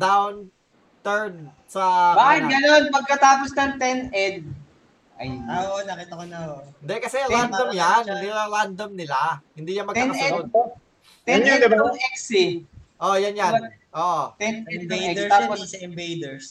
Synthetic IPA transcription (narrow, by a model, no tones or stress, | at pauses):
d̪awn | t̪ɛɹn | sɐbaːɪɡɐnonpɐɡ̚kɐt̪aːposd̪ɐnt̪ɛnɛd̪̚ | ʔɐjoʔonɐkit̪ɐkonɐɪnd̪ɛkɐsɛɾand̪ɐmjanhd̪iɐɾand̪ɐmnɪlahɪnd̪iːjɐnmɐɡ̪ɐnɛod̪ | t̪ɛnɛɛksiʔojanja | ʔoːʔot̪ɛnɛt̪apossɐɪmbejd̪ɛɹs